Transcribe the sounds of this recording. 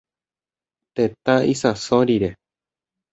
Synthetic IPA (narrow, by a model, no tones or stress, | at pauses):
t̪et̪aisasoɾiɾe